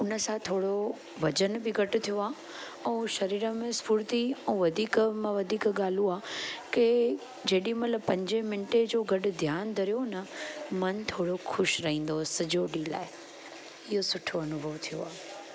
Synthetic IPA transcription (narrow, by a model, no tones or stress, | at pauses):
ʊnə̆sãt̪ʰoːɽo | ʋɐd͡ʑənbɪɡʱɐʈʊt̪ʰijoaː | ɛ̃ːʃɐɾiːɾəmẽspuːɾt̪iɛ̃ːʋɐd̪ʱiːkmãʋɐd̪ʱiːkɠaːl̤ũaːke | d͡ʑeːɗimɐt̪ləbpɐ̃ɲd͡ʑemɪɳʈed͡ʑoːɡɐɗʊ̆d̪ʱjaːnd̪ʱɐɾijonɐmɐnt̪ʰoːɽoxʰʊʃɾɐɦĩːn̆d̪osɐd͡ʑʱoɖila̰ːɪ | ɪɦosʊʈʰoɐnʊbʱəʋt̪ʰijo̰aː